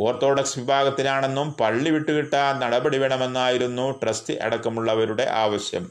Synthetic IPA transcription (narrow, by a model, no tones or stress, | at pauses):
oːrt̪ːo̞ːɽɐksʋibʱaːɡɐt̪ːinaːɳe̞nːumpɐɭːiʋiʈːukiʈːaːnnɐɽɐbɐɽiʋeɳɐme̞nːaːjiɾunːuʈrɐstɨʔḛɽɐkːɐmuɭːɐʋɐɾuɽe̞̰ʔaːʋɐɕjɐ̰m